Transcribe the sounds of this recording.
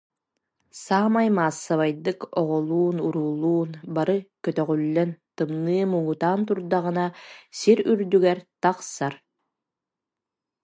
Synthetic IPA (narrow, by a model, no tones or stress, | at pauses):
saːmajmaːsːaβajd̪ɯkɔʁɔlˠuːnuɾuːlˠuːnbaɾɯkœt̪œʁylːɛnt̪ɯmnɯːmuŋut̪aːnt̪uɾd̪aʁɯnasiɾyɾd̪yɡɛɾt̪aqsaɾ